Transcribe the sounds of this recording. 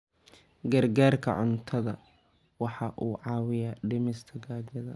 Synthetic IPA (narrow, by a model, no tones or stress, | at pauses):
ɡɐrɡaːrkʰɐ̰ʕʊnt̪ʰɐðɐ | wɑħɑʔuːʕɑːwɪjɐɖɪmɪst̪ʰɐɡaːd͡ʒɐðɐ